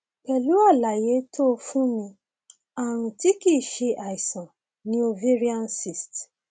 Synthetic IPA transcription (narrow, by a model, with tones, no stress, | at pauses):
k͡pɛ˨lu˨˦a˦˨la˨je˨˦tʰo˦˧fũ˦mĩ˧ | a˨ɾ̃ũ˧ti˦ki˦˨ʃe˧ʔa˨i˨sɔ̃˨ | nĩ˦o˧vi˦ɾi˦a˦˧n˦si˨st